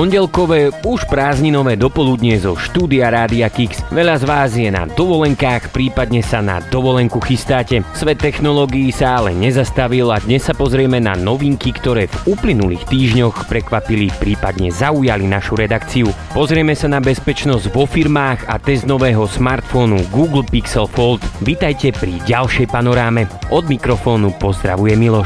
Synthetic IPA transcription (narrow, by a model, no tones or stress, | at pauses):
pɔɲɟɛlkɔʋɛːuʃpɾaːzɲinɔʋɛːd̪ɔpɔlud̪ɲɛzɔʃt̪uːd̪iaɾaːd̪iakiksʋɛʎazʋaːzjɛna̰d̪ɔʋɔlɛŋkaːxpɾiːpad̪ɲɛsana̰d̪ɔʋɔlɛŋkuxist̪aːcɛsʋɛt̪ːɛxnɔlɔɡiːsaalɛ̰ɲɛzast̪aʋilad̪ɲɛsːapɔzɾɪɛmɛna̰nɔʋiŋkikt̪ɔɾɛːvuplinulḭːxt̪iːʒɲɔxpɾɛkʋapilipɾiːpad̪ɲɛzaujalinaʃuɾɛd̪akt͡siu | pɔzɾɪɛmɛsanabɛspɛt͡ʃnɔzɟʋɔfiɾmaːɣa̰t̪ɛzd̪nɔʋɛːɦɔsmaːɾt̪fɔnuɡuːɡl̩piksɛlfɔlt̪ʋit̪ajcɛpɾiɟalʃɛjpanɔɾaːmɛʔɔd̪mikɾɔfɔːnupɔzd̪ɾa̰ʋujɛmilɔʃ